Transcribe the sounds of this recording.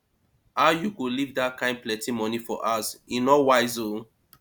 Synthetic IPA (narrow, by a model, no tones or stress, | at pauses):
aʊjukulivdakãɪ̃n̚plɛ̃timɔnifɔ̰ʔasinɔwaɪzo